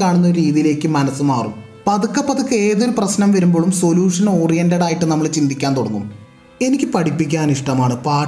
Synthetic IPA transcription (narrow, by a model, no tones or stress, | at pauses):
kaːɳunːɐɾiːðijile̞ːkːɨmɐnɐsːɨmaːrṵm | pɐðukːɐpːɐðukːɨe̞ːðilprɐɕnɐmʋɐɾumbo̞ːɭumso̞ljuːʂɐno̞ːrijɐndɐɽaːjiʈːɨnɐmːɐɭt͡ɕind̪ʱikʲːaːnt̪oɽɐŋːṵm | e̞nikʲːɨpɐʈipːik̬ʲːaːniʂʈɐmaːɳɨpaː